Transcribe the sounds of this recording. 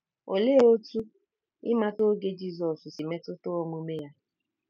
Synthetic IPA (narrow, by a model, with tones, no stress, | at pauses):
o̰˨le˦o˦tu˦ | ɪ˦ma˦to˦ɡe˦d͡ʒi˦˨zɔ˨ssi˨me˦tʊ˦tʊ˦ɔ˦ŋu˦me˦ja˦